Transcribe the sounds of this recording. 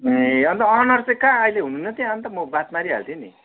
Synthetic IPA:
eʌnt̪ʌʌnʌrt͡sẽkaʌileɦununːʌt̪jãʌnt̪ʌmʌbat̪maɾiɦa̰lt̪ʰini

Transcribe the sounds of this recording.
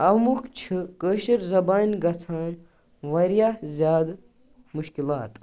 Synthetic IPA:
ɐwmukʰt͡ʃʰɨkəːʃɐɾzɐbaːnʲɡɐt͡sʰaːn | ʋɐɾjaːzʲjaːd̪ | muʃkilaːt̪

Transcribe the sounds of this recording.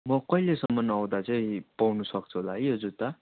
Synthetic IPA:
mʌkʌjlesʌmːʌnʌwd̪at͡sʌĩpawnusʌk̚t͡sʰuɦolaʌjʌd͡zut̪ʌ

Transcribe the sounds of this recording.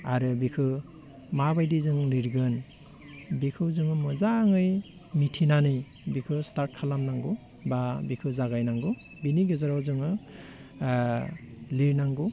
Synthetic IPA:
aɾɯbikʰɯ | mabajdizɯŋliɾɡɯn | bikʰɯwzɯŋɯmɯzaŋɯj | mitʰinanɯj | bikʰɯstaɾt̚kʰalamnaŋɡu | babikʰɯzaɡajnaŋɡu | biniɡɯzaɾawzɯŋɯ | liɾnaŋɡu

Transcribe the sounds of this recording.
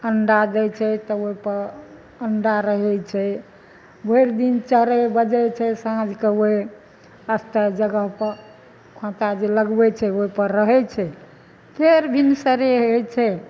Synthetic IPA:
əɳɖad͡ʒɛt͡ʃʰɛt̪ɔoɦipəɾ | əɳɖaɾəɦɛt͡ʃʰɛ | bʱoiɾd̪int͡ʃəɦɾɛbəd͡ʒɛt͡ʃʰɛsãd͡ʒʱkəɦe | əst̪əd͡ʒəɡəɦpəɾ | kʰõt̪ad͡ʒeləɡbɛt͡ʃʰɛoɦipəɾːəɦɛt͡ʃʰɛ | t̪ʰeɾbʱinsəɾeɦojt͡ʃʰɛ

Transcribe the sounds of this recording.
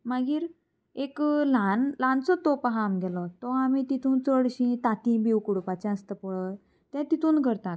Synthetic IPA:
maɡiːɾ | eklanlant͡sɔt̪opɦamɡɛlɔt̪ɔamit̪it̪ʰuːnt͡səɽɕĩt̪at̪ĩbiwkuɽupat͡ɕɛ̃əst̪əpɔɭə | t̪jãt̪it̪uːnɡʱəɾt̪at̪

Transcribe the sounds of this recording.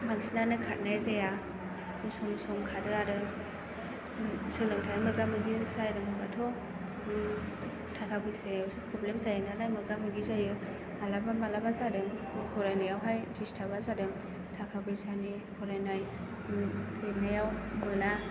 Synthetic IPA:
maɡisnanɯkʰat̚najzaja | misɔmsɔmkʰadɯaɾɯ | sɯlɯŋtʰajɯmɯɡamɯɡisajdɯŋɯbatʰɔ | tʰakʰabɯjseɯsɯpʰɾɔblemsajɯnalajmɯɡamɯɡizajɯ | alabamalabazadɯŋɯkʰɔɾajnajawɦajdistʰabazadɯŋ | tʰakʰabɯjsani | bʰɔɾajnaj | lenajawmɯna

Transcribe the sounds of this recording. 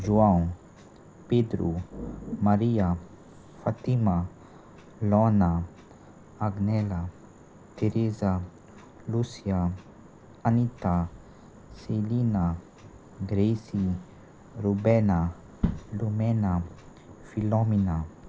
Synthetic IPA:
ʒuãw | ped̪ɾṵmaɾia | fat̪ima | lɔna | aɡnɛla | t̪eɾeza | lusia | anit̪a | selina | ɡɾesi | ɾubɛna | lumɛna | filɔmina

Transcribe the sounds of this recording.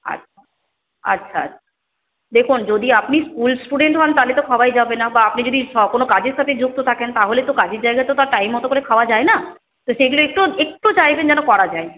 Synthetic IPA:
a̰tːʰa | a̰tːɕʃʰaa̰tːʰḁ | d̪ekʰund͡ʑod̪iapniskulsʈuɖeɳʈɦɔnt̪alet̪okʰaajd͡ʑabenabaapnid͡ʑod̪iʃɔkonokad͡ʑeɾʃat̪ʰed͡ʑuk̚t̪ot̪ʰakent̪aɦolet̪okad͡ʑeɾd͡ʑajɡat̪eot̪aɾʈajmɦɔt̪okoɾekʰaoad͡ʑaena | t̪oʃeɡuloek̚ʈoek̚ʈot͡ɕajbend͡ʑɛnokɔɾad͡ʑae

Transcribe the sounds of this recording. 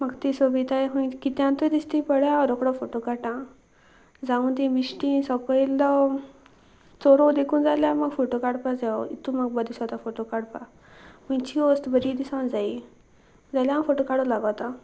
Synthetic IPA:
maɡt̪isobit̪ajɦũjkit̪jãnt̪əd̪ist̪ipəɽjaɔɾokɽɔfoʈokaʈã | d͡zaũnd̪imisʈĩsɔkəilɔ | t͡sɔɾɔd̪ekʰũːnd͡zaljaməɡfoʈokaɽpad͡zaɔit̪ːũmaɡ̚bəd̪isɔt̪afoʈokaɽpa | hũj̃t͡ɕiost̪bəɾid̪isãwnd͡zai | d͡zaljãməɡfoʈokaɽolaɡat̪a

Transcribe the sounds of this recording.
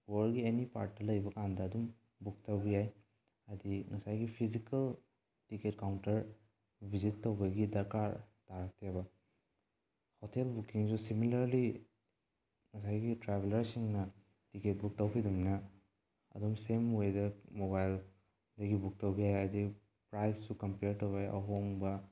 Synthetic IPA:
wɔɾɡienipa̰ɾt̚ːɐlɐjbɐkandɐːdum | buk̚tawbijaj | ɐdiŋɐsajɡipʰizikɐl | tiket̚kawntɐɾ | bʱizitːowbɐɡidɐɾkaɾtaɾak̚teabɐ | hɔtʰelbukiŋzusimilɐɾli | ŋɐsajɡitɾabelɐɾsiŋnɐ | tiket̚buk̚tawkʰidumnɐ | ɐ̰dɔmsemejdɐmobajl | dɐɡibuk̚tɐwbijajadi | pɾajsːukɐmpeɾtowbaja̰wɦoŋbɐ

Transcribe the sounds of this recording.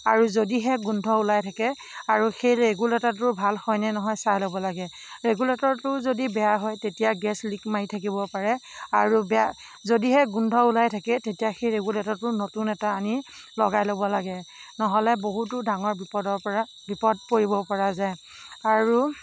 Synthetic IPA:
aɹuzodiɦɛɡundʱɔulajtʰakɛ | aɹuxejɹeɡuletɔtʊɹbʱalxɔjnɛnɔɦɔjsajlobɔlaɡɛ | ɹeɡuletɔɹtʊzodibɛjaɦɔjtetijaɡɛslikmaitʰak̬ibɔpaɹɛaɹubɛa | zodiɦɛɡundʱɔulajtʰakɛtetijaxejɹeɡuletɔɹtʊnotunɛtaːni | lɔɡajlobɔlaɡɛnɔɦɔlɛboɦut̬ʊdaŋɔɹbipɔdɔpa | bʱipɔd̚poɹibɔpɔɹazaj | aɹu

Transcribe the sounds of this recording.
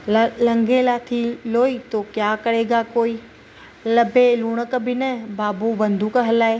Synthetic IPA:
lɐ̃ŋɡelaːt̪ʰiloːiːt̪oːkjaːkɐɾ̤eːɡakoːiː | lɐbeluːɽ̃əkbʱɪnɐbaːbuʋɐ̃nd̪ʱukəɦɐlaːeː

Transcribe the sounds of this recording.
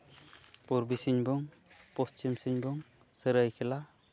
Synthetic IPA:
puɾbisiɲbɔŋ | pɔst͡ʃimsiɲbɔŋ | səɾajkʰɛla

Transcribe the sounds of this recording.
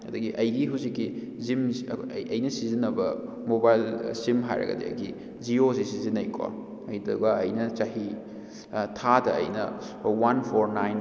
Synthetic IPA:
ɐdɐɡiʔɐjɡiɦuzikːi | zimɐjnɐsizinːɐbɐ | mobajlsimɦa̰jɾɐ̰ɡɐ̰dḭɐ̰jɡi | d͡ʒiosisizinɐjkʰwa̰ | ɐjduɡɐɐjnɐt͡ʃaɦi | tʰatɐ̰ːjnɐ | wanpʰoɾnajn

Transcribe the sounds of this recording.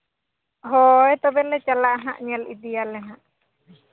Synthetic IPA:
ɦɔɛt̪ɔbɛlɛt͡ʃalaʔɦaʔɲalid̪ɛjalɛɦãʔ

